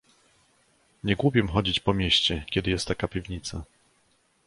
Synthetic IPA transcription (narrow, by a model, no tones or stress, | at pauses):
ɲɛɡwupʲjɛmxɔd͡ʑit͡ɕpɔmʲjeɕt͡ɕɛkʲɛd̪ɘjɛst̪ːakapʲivɲit̪sa